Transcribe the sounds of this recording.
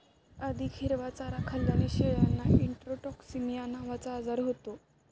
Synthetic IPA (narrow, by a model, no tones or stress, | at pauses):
ad̪ʱiːkʰeɾʋat͡saɾakʰaljaneɕeɭanːaiɳʈɾoʈɔksimijanaʋat͡saːd͡zaɾɦot̪o